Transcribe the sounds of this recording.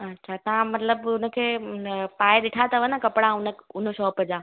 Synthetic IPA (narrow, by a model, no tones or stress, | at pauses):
ɐːʃʰat̪ɐɦãmɐt̪ləbʊnə̆kʰeːpaːeɗɪʈʰat̪ʰɐʋənakɐpɽãʊnəʊn̤ə̆ʃɔːpəd͡ʑa